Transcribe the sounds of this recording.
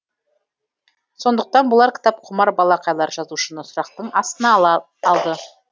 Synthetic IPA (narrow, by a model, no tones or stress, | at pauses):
so̞nd̪əq̚t̪ɑnbʊlˠɑɾkʲɪ̥t̪ɑp̚qʰʊmɑɾbɑlˠɑqʰɑjlˠɑɾʒɑzuʃənəsʊɾɑq̚t̪əɴɑst̪ənɑ | ɑlˠd̪ə